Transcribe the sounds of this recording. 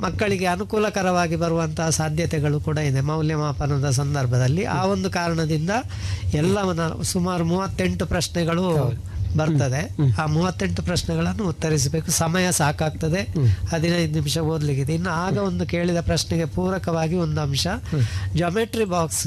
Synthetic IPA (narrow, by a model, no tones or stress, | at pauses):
mɐkːɐɭiɡe̞ɐnukuːlɐkɐɾɐʋaːɡibɐɾuʋɐnt̪ɐɦɐsaːd̪ʱjɐt̪ɛɡɐɭukuːɽɐid̪emɐwljɐmaːpɐnɐd̪ɐs̬ɐnd̪ɐɾbʱɐd̪ɐlːiʔaːo̞nd̪ukaːɾɐɳɐd̪ind̪ɐ | ɛlːɐnːɐsumaːɾumuːʋɐt̪ːe̞ɳʈupɾɐʃɳɛɡɐɭu | bɐɾt̪ɐd̪e̞aːmuːʋɐt̪ːe̞ɳʈupɾɐʃnɛɡɐɭɐnːuːt̪ːɐɾis̬ɐbe̞ːkusɐmɐjɐsaːkaːɡ̚t̪ɐd̪e̞ɐd̪ʱinɐjd̪unimʃɐɦoːd̪liɡid̪inːuaːɡɐo̞nd̪uke̞ːɭid̪ɐpɾɐʃnɛɡe̞puːɾɐkɐʋaːɡio̞nd̪uɐmʂɐd͡ʒɐmeʈɾibaːks